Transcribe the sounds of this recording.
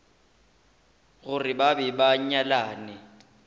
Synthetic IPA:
ɣʊrɪbabɛbaɲ̩ɲalaːnɪ

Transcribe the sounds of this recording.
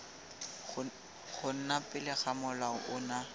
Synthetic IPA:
χʊn̩napʼɪlɪχamʊlaʊʔʊna

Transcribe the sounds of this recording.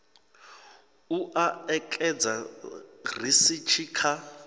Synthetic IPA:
uʔaɛkʼɛd͡za | risit͡ʃʰiːkʰa

